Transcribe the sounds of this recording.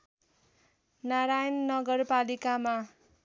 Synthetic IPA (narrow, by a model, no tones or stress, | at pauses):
naɾajʌnːʌɡʌrpalikama